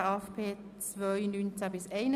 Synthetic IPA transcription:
afpʰeːt͡svœjnynt͡sæbɪsɛɪnə

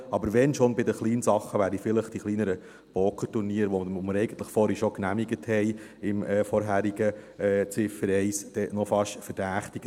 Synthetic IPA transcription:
ɑbəɾʋɛnʃonbɪd̪əχliːnsɑχːəʋæːɾifɪləχd̥iχliːnəɾə | b̥oːkʰəɾtuɾniːəɾʋɔməɾɛjɡ̥ən̩t̪ləχfɔɾiʃoknæmiɡəthɛj | ɪmɛːfɔɾɦæɾiɡəɛːt͡sɪfəɾɛɪsd̥ɛnɔfɑʃfəɾd̥æːχtiɡ̥ə

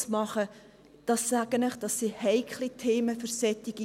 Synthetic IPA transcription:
smɑχə | d̥ɑsːæɡənɪχd̥ɑsːihɛɪkʰlitʰeːməfəɾsɛt̪iɡ̥i

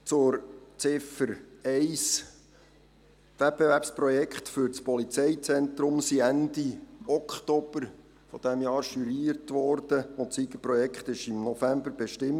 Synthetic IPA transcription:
t͡sʊɾt͡sɪfəɾɛɪs | ʋɛt̚bɛvæɾpspɾɔjɛkχt̪fʏɾt͡spɔlit͡sɛɪt͡sɛnt̪ɾʊmsiænd̪iɔkʰχt̪ɔb̥əɾ | fɔd̥̪ɛmjɑːɾʃyɾiːəɾtʋɔɾd̥əʊt̪t͡siɡəprɔjɛkχt̪ɪʃɪmnɔfæmbəɾbeʃtɪm

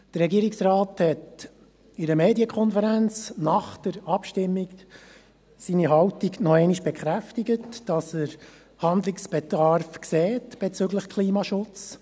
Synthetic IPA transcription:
d̥əɾɛɡiəɾiksrɑːthɛt | ɪɾəmeːdiəkχɔnfəɾænt͡snɑχd̥əɾɑpʃtɪmːiɡ | siːniɦɑwtiɡnɔɛɪniʃb̥ɛkχɾæftiɡətd̥ɑsəɾ | hɑndlɪksb̥ɛdɑɾfkseːtb̥ɛt͡sʏɡləχkʰliːmɑʃʊt͡s

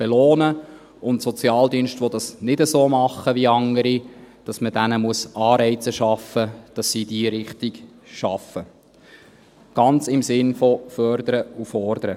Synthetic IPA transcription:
b̥eloːnə | ʊntsɔt͡sjɑːld̪iənʃtʋodɑsnɪdəsoːmɑχːəʋiɑŋəɾid̥ɑsməd̥ænəmuəsʔɑːɾɛɪt͡səʃɑfːəd̥ɑsːid̥iəɾɪχtɪɡ̥ | ʃɑfə | ɡ̥ɑnt͡sɪmsɪnfɔfœɾdəɾəufɔɾd̥̪əɾə

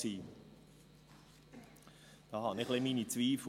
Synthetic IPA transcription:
iː | d̪̥ɑːhɑnɪχlemiːnit͡sviːf

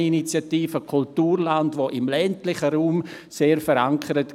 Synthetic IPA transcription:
init͡sjatiːfəkʰʊltuːɾlandvoʔɪmlɛntlɪχəɾuːm | seːɾfəɾaŋkʰəɾət

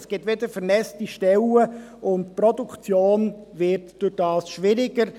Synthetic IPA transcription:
sɡ̥ɪtʋɪdəɾfɛɾnɛst͡stiʃtɛləʊntpɾɔdukt͡sjoːnvɪɾtd̥ʊɾd̥ɑːsʃʋɪɾɪɡəɾ

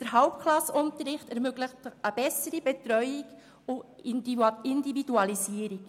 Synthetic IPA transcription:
d̥əɾɦɑlpkʰlɑsːʊntəɾɪχtɛɾmøɡləχtəb̥ɛsəɾib̥ɛtɾœʏiɡ | ʊ | ɪndividuɑlisiəɾik

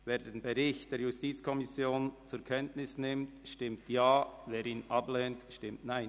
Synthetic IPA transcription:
veːɾdeːnbɛɾɪçtd̥eːɾjustiːt͡skʰɔmɪsjoːnt͡suɾkʰɛntnɪsnɪmtʃtɪmtjaːveːɾiːnʔɑblɛːntʃtɪmtnaɪn

